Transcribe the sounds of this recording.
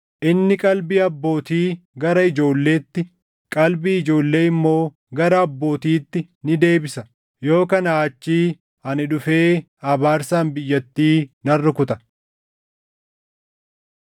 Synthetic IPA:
ʔɪnːɪkʼɐlbiːɐbːo̞ːt̪iːɡɐɾɐɪd͡ʒo̞ːlːe̞ːt̪ːɪ | kʼɐlbiːɪd͡ʒo̞ːlːe̞ːɪmːo̞ː | ɡɐɾɐːbːo̞ːt̪iːt̪ːɪ | nɪd̪e̞ːbɪsɐ | jo̞ːkɐnaːt͡ʃːiː | hɐnɪᶑʊfe̞ː | ɐbaːɾsaːnbɪjːɐt̪ːiːnɐrːɪkʊt̪ɐ̥

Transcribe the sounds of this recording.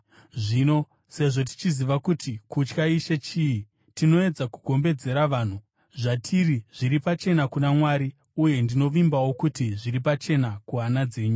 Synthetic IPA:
ʐiːno̞ | se̞ʐo̞t̬i̥t͡ʃiziʋakutikut͡ʃkaiʃe̞t͡ʃii | tino̞e̞d͡zakuɡʱo̞mbe̞d͡ze̞ɾaʋaːn̤u | ʐatʰiriʐ̥iɾipat͡ʃe̞nakunamwaɾi | uje̞ndino̞ʋimbawo̞kutiʐiɾipat͡ʃe̞nakuɦanad͡ze̞ːɲu

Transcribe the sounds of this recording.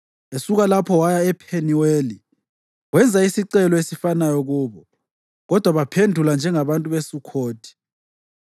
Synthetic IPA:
esuɣalapʰɔwajaɛpʰeniweːli | wɛnd͡zʱaisiǀɛlɔesifanajɔɣuːβɔ | ɣɔd̥ʱwaβapʰendʱuland͡ʒʱɛŋaβantʼuβesukʰoːtʰi̥

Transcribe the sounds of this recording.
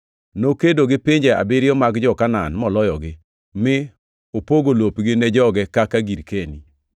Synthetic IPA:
nokedoɡɪpiɲd͡ʒea̰bɪɾɪjɔmaɡd͡ʒɔkananmɔlɔjɔɡɪ | mɪ | opoɡolopɡɪnɛd͡ʒɔɡɛkakaɡiɾkeni

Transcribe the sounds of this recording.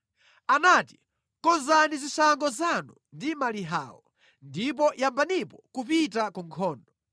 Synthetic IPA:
anati̥ | kɔnzanizisaŋɡɔzanundimaliɦa̰ːwɔ | ndip̬ɔjambanipɔkupitakuŋkʰɔːndɔ

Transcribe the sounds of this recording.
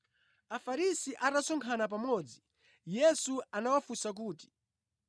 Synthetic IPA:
afaɾisiʔatasɔŋkʰanap̬amɔːd͡zi | jɛsuanawafusak̬uːti̥

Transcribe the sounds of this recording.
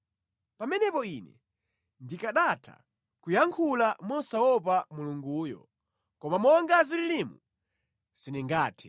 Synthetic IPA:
pamɛnɛpɔinɛ̰ | ndikaɗatʰa̰ | kujaŋkʰulamɔsawɔp̬amuluŋɡuːjɔ̰ | kɔmamɔŋɡazililimṵ | z̥iniŋɡaːtʰi̥

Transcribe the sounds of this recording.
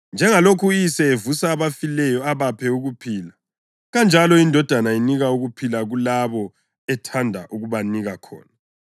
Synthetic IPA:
nd͡ʒʱɛŋalokʰujisɛevusaːβafilɛjɔaβapʰɛuɣupʰiːla | ɣand͡ʒʱalɔindʱɔd̥ʱanainiɣauɣupʰilaɣulaβɔ | ɛtʰandʱaʔuɣuβaniɣakʰɔ̰ːna

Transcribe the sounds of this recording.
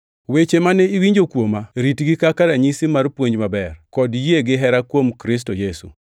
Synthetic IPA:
wet͡ʃemanɛiwiɲd͡ʒokwomaɾitɡikakaɾaɲisɪmarpwoɲd͡ʒmabɛrkɔdjeɡɪɦɛɾakwomkɾɪs̬tojesṵ

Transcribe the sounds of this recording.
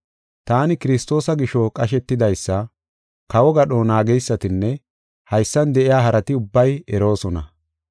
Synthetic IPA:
t̪aːnɪkɪɾɪst̪o̞ːsɐɡɪʃɔkʼɐʃɛt̪ːɪd̪ɐjsːɐ | kɐwɔɡɐɗoːnaːɡɛjsːɐt̪ɪnːɛ | hɐjsːɐnd̪ɛʔɪjaːɦɐɾɐt̪ɪʊbːɐjɛɾo̞ːsɔnɐ

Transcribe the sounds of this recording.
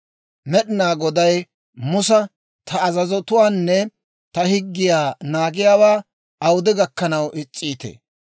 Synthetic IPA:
mɛɗɪnaːɡɔd̪ɐj | mʊsɐ | t̪ʰɐːzɐzɔt̪ʊwaːnːɛ | t̪ɐhɪɡːɪjaːnaːɡɪjaːwaː | ɐwʊd̪ɪɡɐkːɐnɐwʔɪt͡sʼːiːt̪ḛː

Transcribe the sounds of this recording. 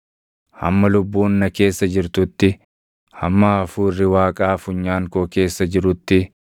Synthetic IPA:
hɐ̰mːɐlʊbːuːnːɐke̞ːsːɐd͡ʒɪɾt̪ʊt̪ːɪ | hɐ̰mːaːɐfuːrːɪwaːkʼaːfʊɲːaːŋkoːke̞ːsːɐd͡ʒɪɾʊt̪ːɪ

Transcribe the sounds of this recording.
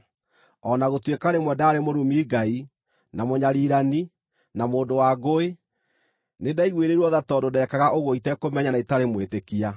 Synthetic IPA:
ɔnaɣotwekaɾemwɛdaːɾemoɾumiːɡai | namoɲaɾiɾani | namoːndowaɡoe | nedaiɣweɾeɾuɔðatɔdodɛkaɣaʔoɣɔitɛkomɛɲanaitaɾemwetekia

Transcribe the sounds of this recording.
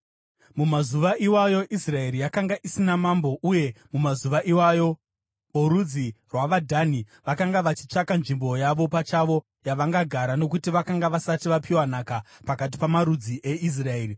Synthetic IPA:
mumazuʋaʔiwajo̞ʔisrae̞ɾijakaŋɡaʔisinamambo̞ʔuje̞mumazuʋaʔiwajo̞ | oɾud͡zirwaʋadʱaniʋakaŋɡaʋat͡ʃi̥t͡ʂakanʐimbo̞jaʋo̞pat͡ʃaʋo̞ | jaʋaŋɡaɡʱaɾano̞kutiʋakaŋɡaʋasatiʋapiwanakapakat̬i̥pamaɾud͡ziʔe̞ʔis̬raeːri

